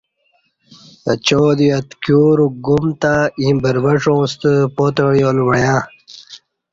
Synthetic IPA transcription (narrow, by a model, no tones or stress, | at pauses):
ət͡ɕod̪iɐt̪kjuːɾuɡumt̪aĩbəɾbɐʂõːst̪əpot̪əjolwɐjã